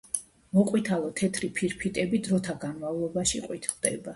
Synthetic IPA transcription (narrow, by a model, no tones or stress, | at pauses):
mɔqʼwit̪ʰalˠɔt̪ʰɛt̪ʰɾipʰiɾpʰit̪ʼɛbid̪ɾɔt̪ʰaɡanmavlˠɔbaʃiqʼwit̪ʰld̪ɛ̰ba